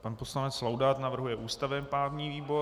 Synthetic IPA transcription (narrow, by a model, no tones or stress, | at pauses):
panpo̞slanɛt͡slawdaːt̪navr̩ɦujɛʔuːst̪avɛmpɾaːvɲiːviːbo̞